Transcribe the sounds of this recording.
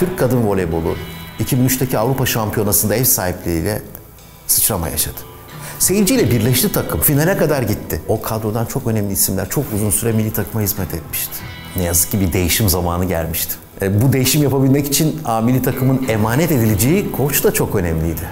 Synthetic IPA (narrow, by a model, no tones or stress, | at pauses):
t̪ʰyɾc̚kʰːad̪ɯnvo̞lʲebo̞lˠṵicʰibinyt͡ʃt̪ʰacʰiavɾupaʃampʰijo̞nasɯnd̪aɛfsaːhiplʲeɾḭlʲɛ̰ | sɯ̥t͡ʃɾama̰ja̰ʃad̪̥ɯ̥ | se̞jild͡ʒijlʲɛbiɾlʲɛʃlʲit̪ʰakʰɯmfinalʲɛkad̪aɾɟit̪ʰːɪo̞kʰad̪ɾo̞d̪ant͡ʃʰo̞kø̞nɛmlʲiisimlʲæ̰ɾt͡ʃʰo̞kuzunsyɾɛmilʲːit̪ʰakʰɯmahizmɛt̪ʰɛt̪mi̥ʃt̪ʰɪ̥ | nɛjazɯ̥k̚cːibid̪e̞jiʃimzamaːnɯɟæ̰lʲmiʃt̪ʰɪ̥ | bud̪e̞jiʃimjapabilʲmɛci̥t͡ʃʰinaːmilʲit̪ʰakʰɯmɯne̞maːnɛt̪e̞d̪ilʲid͡ʒejikʰo̞t͡ʃd̪at͡ʃʰo̞kø̞nɛmlʲijd̪ɪ